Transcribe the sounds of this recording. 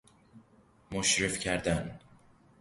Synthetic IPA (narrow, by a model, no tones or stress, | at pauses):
moʃɾefcʰæɾd̪æn